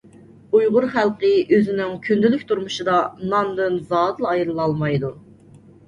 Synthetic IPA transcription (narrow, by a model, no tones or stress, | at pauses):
ujʁʊɾχælˠqəʔøzɪnɪŋkʲʰynd̪ylykʲt̪ʰuɾmuʃɨd̪ɑnɑnd̪ɨnzɑːd̪ɨlˠɑjɾɨlˠɑlˠmɑjd̪u